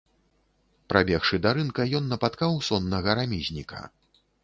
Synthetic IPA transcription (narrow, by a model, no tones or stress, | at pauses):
pɾʔabʲɛxʂɨd̪aɾɨnkɐjɔnːɐpat̪kawsɔnːɐɣɐɾamʲizʲnʲikʰɐ̰